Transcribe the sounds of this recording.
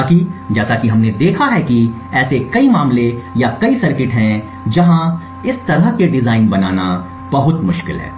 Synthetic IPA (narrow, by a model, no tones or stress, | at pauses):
akid͡ʒɛːsakiɦɐmned̪eːkʰaɦɛki | ɛːsekɐimaːmlejakɐisɐɾkɪʈɦɛ̃ | d͡ʒɐɦã | ɪst̪ɐɾəɦkeɖɪzaːɪnbɐnaːna | b̥ɐɦʊt̪mʊʃkɪ̰lɦɛ̰ː